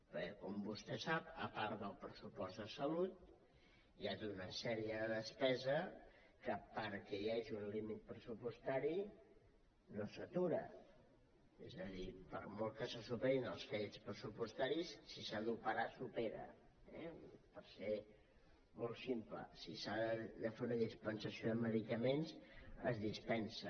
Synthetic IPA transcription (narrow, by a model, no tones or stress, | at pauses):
pɛkɔmbust̪ɛsapəpaɾt̪ðəlˠpɾəsupɔzd̪əsəlut̪̚ | jaʒiunəsɛɾiəðəspɛzə | kəpəɾkɛjaeʒiunlimit̪̚pɾəsupust̪aɾi | nosət̪uɾə̰ | ezəðipə̰ɾmolˠkəsəsupɛɾinəlˠsfespɾəsupust̪aɾisːisaðupəɾasupeɾə̰ | ɛ̰pəɾse | molˠsimplə̰sisaðd̪əfeunəðispənsəsioðəməðikəmenzəzðispɛnsə